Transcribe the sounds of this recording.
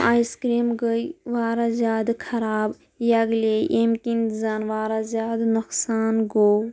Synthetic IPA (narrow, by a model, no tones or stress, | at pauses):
aːjskɾimɡəjʋaːɾazʲjaːd̪kʰɐɾaːb | jɐɡleʔemkĩnt̪zanʋaːɾazʲjaːd̪nɐksaːnɡo